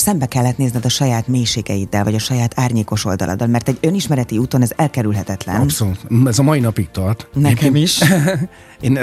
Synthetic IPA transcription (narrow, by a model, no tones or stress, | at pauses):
sɛmbɛkɛlːɛt̪neːznɛd̪ɒʃɒjaːt̪meːjʃeːɡɛjid̪ːɛlvɒɟɒʃɒjaːt̪ʰaːrɲeːko̞ʃo̞̰ld̪ɒ̰lʔɒ̰d̪ɒlmɛrt̪ɛɟø̞niʃmɛɾɛt̪iuːt̪o̞nɛzɛlkɛɾylɦɛt̪ɛt̪lɛ̰npsolut̪ɛzɒmɒjinɒpik̚t̪ɒrt̪nɛkɛmiʃ | eːn